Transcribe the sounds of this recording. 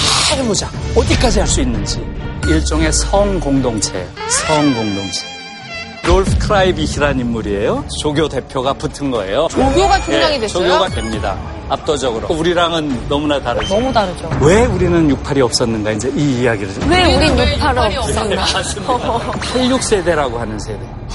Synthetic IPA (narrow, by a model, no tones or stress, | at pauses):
aɡɯmod͡ʑaʌdik͈ad͡ʑihaɭs͈uinːɯnd͡ʑiiɭt͡ɕ͈ʌŋe̞sʰʌŋɡoŋdoŋt͡ɕʰe̞̰sʰʌŋɡoŋdoŋt͡ɕʰe̞ | ɾoɭpʰkʰɯɾaibiçiɾanimːuɾie̞jot͡ɕoɡʲjode̞pʰjoɡaputʰɯnɡʌe̞̰jot͡ɕoɡjoɡatʰueaŋidweoɡjoɡadwe̞mɲida̰ | ap̚t͈ʌd͡ʑʌɡɯɾouɾiɾaŋɯnːʌmunataɾɯnʌmutaɾɯd͡ʑowe̞uɾinɯnjuk̚pʰaɾiʌp̚s͈ʌnːɯnɡaind͡ʑe̞iːjaɡiɾɯɭweuɾiɲuk̚pʰaɾʌs͈ʌnaa | pʰaʎːuk̚s͈e̞de̞ɾaɡohanɯnsʰe̞de̞